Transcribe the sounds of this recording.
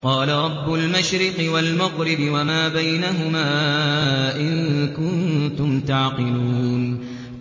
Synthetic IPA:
qɑːlaɾˤɑbːʊlmaʃɾɪqɨwalmaɣɾɪbɪwamaːbajnaɦʊmaː | ʔɪnkʊnt̪ʊmt̪aʕqɨluːn

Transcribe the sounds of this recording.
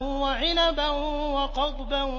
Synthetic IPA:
nwaʕɪnabanwaqɑd̪ˤban

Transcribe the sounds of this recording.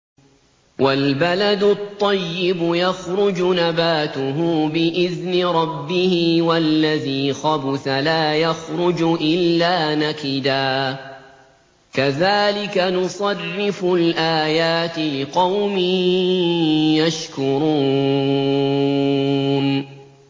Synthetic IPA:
walbalad̪ʊt̪ˤːɑjːɪbʊjaxɾʊd͡ʒnabaːt̪ʊɦʊːbɪʔɪðnɪɾˤɑbːɪhɪːwalːaðiːxɑbʊθalaːjaxɾʊd͡ʒʔɪlːaːnakɪd̪aː | kaðaːlɪkanʊsˤɑrːɪfʊlʔaːjaːt̪ɪlɪqɑwmɪ | jaʃkʊɾˤuː | n

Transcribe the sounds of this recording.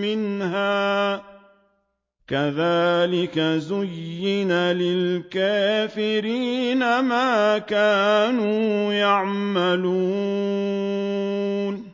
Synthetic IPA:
mɪnhaː | kaðaːlɪkazʊjːɪnalɪlkaːfɪɾiːnamaːkaːnuːjaʕmaluː | n

